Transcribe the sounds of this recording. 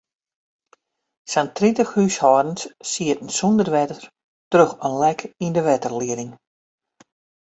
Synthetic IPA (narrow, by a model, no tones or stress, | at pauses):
santʰrintəxhyːshɔːdən̩ssiətn̩sundərʋɛtəər | trøxənlɛkʰindəʋɛtərliədɪŋ